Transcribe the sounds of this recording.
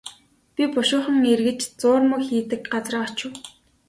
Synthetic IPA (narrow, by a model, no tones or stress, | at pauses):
pʲipʊʃʊːχə̆ŋerɣɘ̆t͡ɕt͡sʊːrmə̆kxiːt̪ɘ̆k̚ɢat͡srə̆ːɔt͡ɕʊ̆w